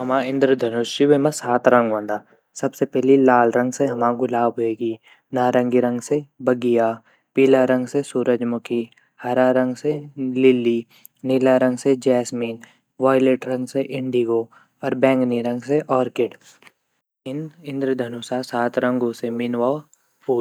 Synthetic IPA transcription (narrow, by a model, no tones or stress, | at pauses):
ɦɐmãɪ̃nd̪ɾəd̪ʱɐnuʃɪwemãsaːt̪ɾɐ̃ŋɡʋə̃nd̪aː | sɐbsepɛɦlilaːlɾɐ̃ŋɡseɦɐmãɡʊlaːbɦoeːɡiː | naːɾə̃ŋɡiɾɐ̃ŋɡsebɐɡija | piːlaɾɐ̃ŋɡsesuːɾəd͡ʒmʊki | hɐɾaɾɐ̃ŋɡselɪlːi | nɪlaɾɐ̃ŋɡsed͡ʒɛːsmiːn | ʋaːjleːʈɾɐ̃ŋɡseʔɪ̃ɳɖiɡo | ɔːɾbɛ̃ːŋkniɾɐ̃ŋɡseʔɔːɾkɪʈ | ɪnɪ̃nd̪ɾəd̪ʱɐnusasaːt̪ɾɐ̃ŋɡosemɪnʋaː | puː